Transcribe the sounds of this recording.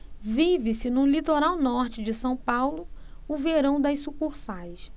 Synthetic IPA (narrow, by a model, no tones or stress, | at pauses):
vivɪsɪnũlit̪oɾawnɔɾt͡ʃɪd͡ʒɪsɐ̃w̃pawlʊʊveɾɐ̃w̃d̪ɐjsukuɾsajs